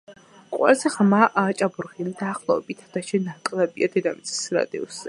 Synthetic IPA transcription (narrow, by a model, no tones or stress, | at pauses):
qʼwɛ̰lˠzɛʁmaʔaːt͡ʃʼabuɾʁind̪aːχlˠɔɛbit̪ʰad̪̥aʃɛnakʼlˠɛbiad̪ɛd̪amit̪sʰʼi̥sɾa̰d̪ɛ̰ɔszɛ